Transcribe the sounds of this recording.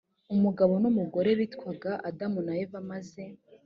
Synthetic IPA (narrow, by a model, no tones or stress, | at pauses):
umuɡaβo̞numuɡo̞ɾe̞ɾitkwaɡaʔadamunajevamaze̞